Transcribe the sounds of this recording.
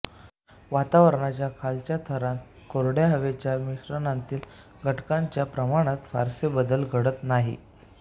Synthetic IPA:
ʋat̪aʋəɾɳat͡ɕjakʰalt͡ɕjat̪ʰəɾãnt̪ | koɾɽjaɦəʋet͡ɕjamiɕɾənant̪iːl | ɡʱəʈkaɲt͡ɕjapɾəmaɽ̃at̪fa̰ɾsebəd̪əlɡʱəɽət̪naɦḭ

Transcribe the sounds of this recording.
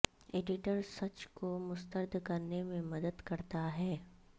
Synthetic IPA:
eːɖɪʈəɾsɐt͡ʃkomʊst̪əɾd̪ʱkɐɾnemẽmɐd̪əd̪kɐɾt̪aɦɛː

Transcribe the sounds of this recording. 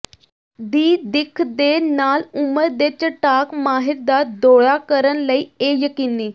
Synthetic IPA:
d̪iːd̪ikʰd̪enaluməɾd̪et͡ɕeʈakmaɦiɾd̪at̪̚d̪oɭakəɾənləiejəkinːi

